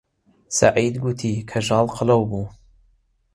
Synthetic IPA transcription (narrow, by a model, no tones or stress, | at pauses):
sa̰ʕiːd̪ɡut̪ʰiːkʰɐʒɑːlqʰɨlɐwbuː